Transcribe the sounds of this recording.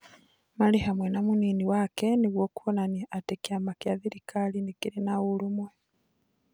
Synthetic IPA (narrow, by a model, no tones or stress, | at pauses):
maliɦamwenamuniːniwakeniɣwokuβonanatekiamakjaðiɾikʰalinikiɾinaɣulumwe